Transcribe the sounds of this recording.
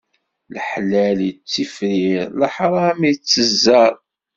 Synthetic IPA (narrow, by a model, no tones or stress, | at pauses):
ləħlælt͡sːifɾiɾləħɾˤɑmit͡sːəzːæɾˤ